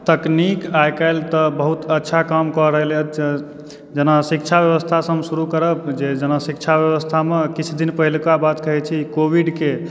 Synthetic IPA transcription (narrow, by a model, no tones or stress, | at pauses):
t̪əknikajkaɪlt̪əbəɦut̪ətːʃʰakamkɔɾəɦəlɛt̪ | d͡ʒənasik̚t͡ʃʰabjəβəst̪ʰasəmsuɾukəɾəpd͡ʒed͡ʒənəsikt͡ʃʰabjəβəst̪ʰamekit͡ʃʰd̪inpəɦilkabat̪kəɦɛt͡ʃʰikobʱiɖke